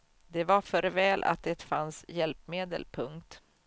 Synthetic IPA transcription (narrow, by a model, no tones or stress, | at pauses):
d̪ɛvafœɾvɛːlʔa̰t̪̚d̪ɛt̪fansjɛlpmeːd̪ə̰lpʰɵŋkt̪